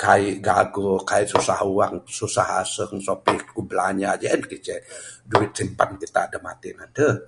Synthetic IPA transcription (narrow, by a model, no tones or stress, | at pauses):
kaiʔɡaɡɔkaiʔsusahuwaŋsusaɦa̰səŋsopikublaɲad͡ʒɛnkit͡ʃɛduɪt̪̚simpa̰nkit̪a̰ːdamat̪inandə